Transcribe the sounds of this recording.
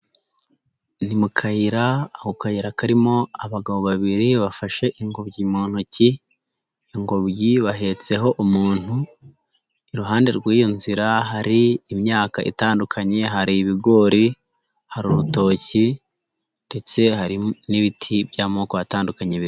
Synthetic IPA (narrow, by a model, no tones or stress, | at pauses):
nimukʰahiɾaːhokahiɾakaɾimo̞aβaɡaβo̞βaβiɾiβafaʃe̞ʔiŋɡoβɟimuːn̥uciː | ŋɡoβɟiβaɦe̞t͡se̞ɦo̞ʔumuːn̥u | iɾuɦaːnde̞ɾɡwiːjonziɾaɦaɾiːmɲaːkaʔḭtaːndukʰaɲe̞ɦaɾiβiɡo̞ːɾi | haɾuβuto̞ci | nde̞t͡se̞haɾiniβitʰibjaːmoːkoβataːndukaɲeβiɾ